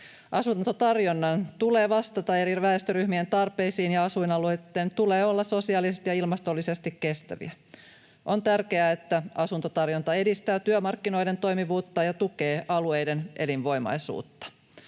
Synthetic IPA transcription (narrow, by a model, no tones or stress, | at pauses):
ʔɑsunt̪ot̪ɑrjonːɑnt̪ule̞ːʋɑst̪ɑt̪ɑe̞ɾiʋæest̪øɾyhmie̞nt̪ɑrpe̞jsiːnjɑɑsuinɑluet̪ːeːnt̪ule̞ːo̞lːɑso̞siɑːlisest̪ijɑilmɑst̪o̞lːise̞st̪ikːe̞st̪æ̰ʋḭæ | ʔo̞nt̪ærke̞æet̪ːæɑsunt̪ot̪ɑrjont̪ɑe̞dist̪æːt̪yømɑrkːino̞jde̞nt̪o̞jmiʋuːt̪ːɑjɑt̪uke̞ːʔɑlue̞jde̞nʔe̞linʋo̞jmɑ̰jsṵːt̪ːɑ̥